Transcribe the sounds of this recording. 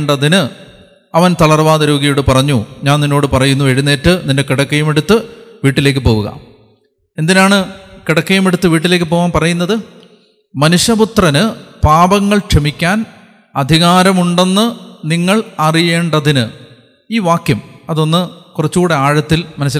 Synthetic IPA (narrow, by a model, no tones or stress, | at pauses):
ɳɖɐðinɨ | ɐʋɐnt̪ɐlɐrʋaːðɐɾoːɣɐjuɽɨpɐrɐɲːuɲaːninːo̞ːɽɨpɐrɐjunːueɻunːeːʈːɨninde̞kiɽɐkːɐjume̞ɽut̪ːɨʋiːʈːile̞ːkːɨpo̞ːʋuɣɐ̰ | e̞nd̪inaːɳɨkiɽɐkːɐjume̞ɽut̪ːɨʋiːʈ̬ːile̞ːk̬ːɨpo̞ːʋaːnpɐrɐjunːɐðɨ | mɐnuɕɐput̪rɐnɨpaːbɐŋːɐɭkʂemikʲːaːn | ɐd̪ʱiɣaːɾɐmuɳɖe̞nːɨniŋːɐɭɐrije̞ːɳɖɐðinɨ | iːʋaːkjɐmɐðo̞nːɨkurɐt͡ɕːuːɽe̞aːɻɐt̪ːilmɐnɐs̬ːil